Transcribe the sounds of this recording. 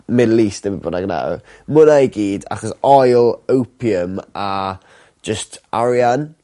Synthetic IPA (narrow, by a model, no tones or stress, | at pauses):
mɪdlˠiːstəvbʊnaɡna̰w | mʊnajɡiːda̰χɔsɔjlˠəwpʰiəmḁ | d͡ʒəstʰaɾjan